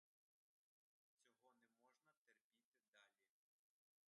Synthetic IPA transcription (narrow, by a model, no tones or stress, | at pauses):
t͡sʲɔɦɔnɛmɔʒnɐt̪erpʲit̪ɪd̪ɑlʲi